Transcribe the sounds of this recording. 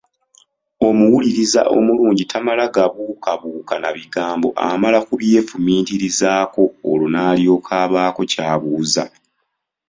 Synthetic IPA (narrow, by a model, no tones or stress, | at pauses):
o̞muwuliɾiza̰ʔo̞̰muluːɲɟitamalaɡaβuːkaβuːkanaβiɡaːmbo̞ʔa̰malakuβje̞ːfumiːtiɾizaːko̞ːlonaːljo̞ːkʰaːβaːko̞caːβuːza̰